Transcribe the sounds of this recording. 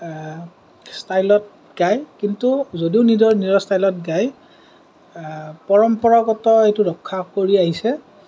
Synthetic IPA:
stajlɔt̚ | ɡajkintuzodiʊnidɔɹnidɔstajlɔtɡaj | pɔɹɔmpɔɹɔɡɔtɔejtuɹɔkʰːakoɹiaɦisɛ

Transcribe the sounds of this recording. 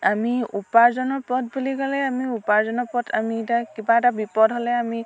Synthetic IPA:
amiupaɹzɔnɔpɔt̚buliɡalɛamiupaɹzɔnɔpɔtʰa̰mitakibaɛtabipɔdɦolɛami

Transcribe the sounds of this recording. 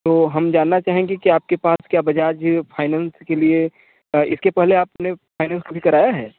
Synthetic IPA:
t̪oːɦɐmd͡ʒaːnːat͡ʃaːɦẽɡekiaːp̚kepaːskjaːbɐd͡ʒaːd͡ʒpʰaːɪnãːnskelie | ɪskepɛɦleaːpnepʰaːɪnɛ̃ːnskobʱikɐɾaːjaɦɛː

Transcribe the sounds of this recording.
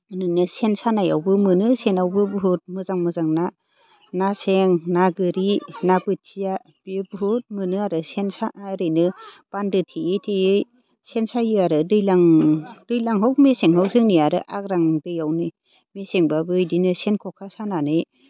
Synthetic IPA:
nɯnɯsensanaja̰wbɯmɯnɯsenawbɯbɯɦɯt̚mɯzaŋmɯzaŋna | naseŋnaɡɯɾinapɯtt͡ʃija | b̥ebɦut̚mɯnɯaɾɯsensaɾɯjnɯ | b̥andɯtʰiɯtʰiɯj | sensajɯaɾɯdɯjlaŋd̥ɯjlaŋɦɔwk̚meseŋɦɔwk̚zɯŋnijaɾɯ̰ʔa̰k̚ɾaŋdɯjawnɯ | meseŋbabɯjdinɯsenkʰɔkʰasananɯj

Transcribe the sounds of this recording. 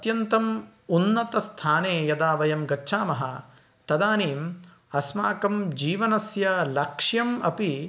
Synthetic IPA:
ɐt̪jɐnt̪ɐm | unːɐt̪ɐst̪ʰaːneːjɐd̪aːʋɐjɐmɡɐtːʃʰaːmɐɦɐ̰ | t̪ɐd̪aːniːm | ɐsmaːkɐmd͡ʒiːʋɐnɐsjɐlɐkʂjɐmɐpi

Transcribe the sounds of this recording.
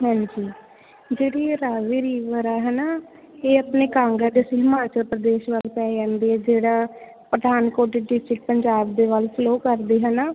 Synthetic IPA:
ɦɛ̃ːd͡ʒiː | d͡ʒeːɽiːɾaːʋiːɾiːʋəɾaːɦɛːnaː | eːəpneːkãːŋɡãːd̪esɦɪmaːt͡ʃəlpɾəd̪eːʃʋəlpɛːd͡ʒãːnd̪eːɦɛːd͡ʒeːɽaː | pɾəd̪aːnkoːɾʈiːɖɪsʈɾɪk̚pəɲd͡ʒaːbd̪eːʋalsloːkəɾd̪eːɦənaː

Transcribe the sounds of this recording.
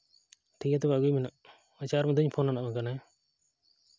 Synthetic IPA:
ʈʰikat̪ɛbaɡujmɛnaʔ | at͡ʃaɾmɛd̪əɲpʰonanaʔmakanaj

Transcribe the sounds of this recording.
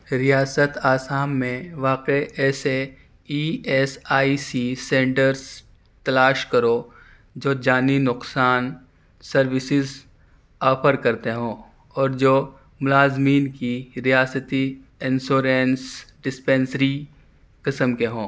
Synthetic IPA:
ɾijaːsət̪aːsaːmːẽʋaːqeɛːse | iːɛsaːisisẽːɳʈəɾs | t̪ɐlaːʃkɐɾo | d͡ʒoːd͡ʒaːninʊqsaːn | sɐɾʋɪsɪz | ɔːpʰəɾkɐɾt̪eɦõː | ɔːɾd͡ʒoː | mʊlaːzmiːnkiɾijaːsət̪iɪnsoːɾeːnsɖɪspẽːnsɾi | qɪsəmkeɦõː

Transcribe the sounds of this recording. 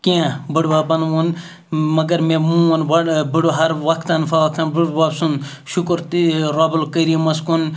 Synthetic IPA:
kiãbɐɽʋaːbɐnun | mɐɡɐɾmẽmũunbɐɽbəɽuɦɐɾʋɐkʰt̪aːnfʰaːʋɐk̚t̪anbəɽbaːbsun | ʃukɾt̪iɾaːbulkɐɾiemɐskun

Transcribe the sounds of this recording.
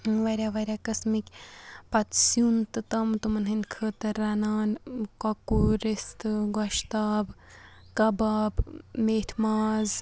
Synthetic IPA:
ʋɐɾʲaʋɐɾʲaːkɐsmikʲpɐt̪sjunt̪ɨt̪ɐmt̪umɐnɦɨnkʰət̪ɨɾɐnaːnkɐkuɾist̪ɨɡɔʃt̪aːbkɐbaːbmeːʈʰmaːz

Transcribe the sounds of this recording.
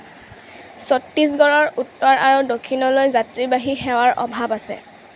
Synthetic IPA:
sɔtːis̬ɡɔɹɔɹutːɔɹʔaɹudokʰːinɔlojzatɹibaɦixɛwaɹʔɔ̰bʱabasɛ̰

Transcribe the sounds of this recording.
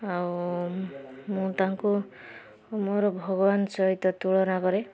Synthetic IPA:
aw | mũt̪aɦaŋku | moɾɔbʱɔɡɔbansɔɦit̪ɔt̪uɭɔnakɔɾe

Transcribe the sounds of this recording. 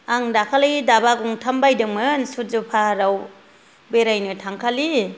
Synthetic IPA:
aŋdakʰalaɡidabaɡuŋtʰambajdɯŋmɯnsuzɯpʰaɾaw | beɾajnɯtʰaŋkʰali

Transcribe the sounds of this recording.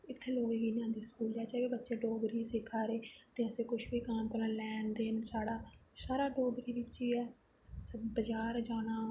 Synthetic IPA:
ɪt̪ʰːloːɡeːɡiːnjãːd̪iːskuːlɛːt͡ʃɛːʋeːbətːʃeːɖoːɡɾiːsɪkʰːaːɾeːt̪ẽːəsẽːkʊʃbiːkaːmkəɾənlɛːnd̪eːnsaːɽaːsaːɾaːɖoːɡɾiːbɪiːɛː | sbəd͡ʒaːɾd͡ʒaːnaː

